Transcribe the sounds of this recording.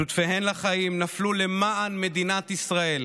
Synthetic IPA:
ut̪fehenlaχajimnaflule̞maʔanme̞d̪inat̪isʁae̞l

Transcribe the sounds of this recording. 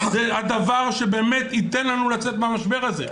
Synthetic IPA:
zead̪avaʁʃe̞beːmet̪it̪enlanulat͡set̪meamaʃbe̞ʁaze

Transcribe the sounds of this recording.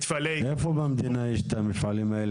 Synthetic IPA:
t̪faleʔefobamd̪inaiʃt̪amit̪fʕalimael

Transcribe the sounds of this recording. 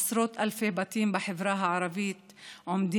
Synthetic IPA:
sɾoːt̪ʔalfehbat̪iːmbɪħɪvɾɑːɦaʕɑɾˤɑviːt̪ | ʕʊmd̪i

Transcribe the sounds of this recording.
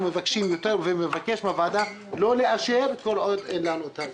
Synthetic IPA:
mevakʃimjot̪eʁvemevake̞ʃmavad̪a | lo̞le̞ʔaʃeʁko̞lʔod̪enlanut̪a

